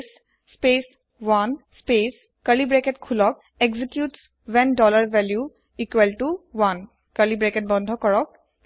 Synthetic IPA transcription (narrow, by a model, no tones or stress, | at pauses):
s | spes | wanspes | kəlibɹɛkɛtkʰulɔk̚ | eɡzikjuts | wɛndɔlaɹvɛlju | ikwɛlʈuwan | kəlibɹɛkɛt̚bɔnd̪ʱɔkɔɹɔk̚